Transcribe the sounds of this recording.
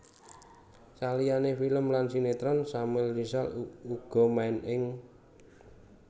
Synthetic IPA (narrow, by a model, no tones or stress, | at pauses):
salijanefiləmlansinet̪ɾɔnsamwɪlːisa̰luɡ̥ɔ̤maɪnɪŋ